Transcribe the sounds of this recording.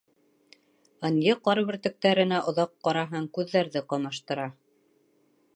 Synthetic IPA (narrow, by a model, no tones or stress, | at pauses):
ɤ̆njɤqɑɾβɘ̆ɾt̪ɘ̆k̚t̪æɾɘ̆næʔŏðɑqːɑɾɑɦɑŋkʉðːæɾðɘqɑmɑʃt̪ɤ̆ɾɑ